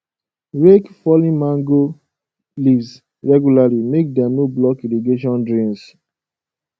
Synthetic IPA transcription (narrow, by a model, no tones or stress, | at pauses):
ɹekfɔlĩmãŋɡo | livs | ɹɛɡjulalimek̚dɛ̃nublɔkiliɡeʃ̬ɔ̃ndɹĩns